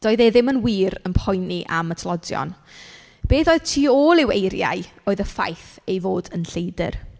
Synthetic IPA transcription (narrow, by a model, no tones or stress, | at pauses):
d̥oːɨðeðɪmənwiːɾənpʰɔjniʔa̰mətʰlˠɔdjɔ̰n | b̥eːθoːɨð̥tʰiːoːlˠɪwḛjɾja̰ɨoːɨðəfa̰jθejvoːdənɬejdɪ̰r